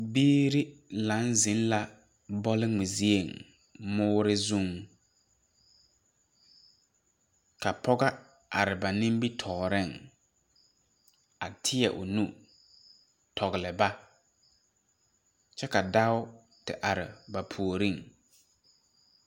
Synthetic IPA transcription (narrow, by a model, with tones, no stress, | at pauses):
biː˦ɾɪ˦lã˨˦nzɪ˨˦nla˦ | bɔ˦lɪ˦ŋ͡mɪ˨zi˦e˨ŋ | mʊː˦ɾɪ˦zu˦ŋ | ka˨pʰɔ˦ɡa˦ | a˨ɾɪ˨ba˨nɪ̃˦m˦bi˦tʰɔ˨ɣɾɪ˦˨ŋ | a˨tʰɪ˦ɛ˨ʔʊ˨nu˦ | tʰɔ˨ɣɪ˨lɪ˨ba˦ | t͡ʃɛ˦ka˨da˦ʊ˦ | tɪ̰˨ʔa˨ɾɪ̰˨ba˨pʰu˨o˨ɾi˦˨ŋ